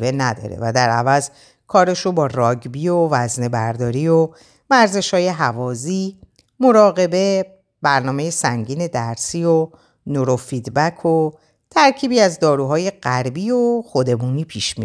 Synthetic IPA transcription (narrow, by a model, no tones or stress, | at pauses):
benæd̪ɒ̰ɾḛvæd̪æɾævæz | kʰɒːɾe̞ʃobɒːrɒːɟbiovæzne̞bæɾd̪ɒːɾiːo | mæɾze̞ʃhɒːje̞ɦævɒːziː | mo̞ɾɒːɣe̞be̞ | bæɾnɒːme̞je̞sæŋɟiːne̞d̪æɾsiːo̞ | noɾofid̪bækʰo | t̪ʰæɾcʰiːbiːæzd̪ɒːɾuːɦɒːje̞ɢæɾbiːoxod̪e̞muːniːpʰiːʃmi